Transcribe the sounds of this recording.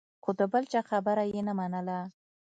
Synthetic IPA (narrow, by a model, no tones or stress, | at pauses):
xod̪əbəlt͡ʃaxabəɾajenamanəla